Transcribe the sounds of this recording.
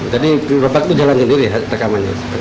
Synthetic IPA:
d͡ʒadirobak̚t̪ud͡ʒalansəndiɾiɦat̪əkamana̰ | ə

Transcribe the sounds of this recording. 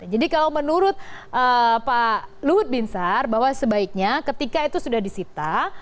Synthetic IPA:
d͡ʒadikalawmənuɾʊt̪̚ʔəpaluɦʊt̪̚binsarbaɦwasəbaik̚ɲakət̪ikait̪usudahdisit̪a

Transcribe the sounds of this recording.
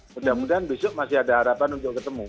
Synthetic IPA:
mudamudianbisʊʔmasɪhadaɦaɾapanunt̪ʊkət̪əmu

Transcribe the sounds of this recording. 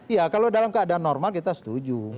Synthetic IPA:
ijakalodalamkəadaːnːɔrmalkit̪asə̥t̪ud͡ʒu

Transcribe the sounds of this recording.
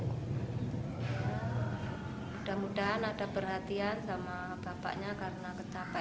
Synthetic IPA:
mud̥aɦmudaɦanadapərɦat̪iansama | b̥apa̰ʔɲakaɾənakət͡ʃapa

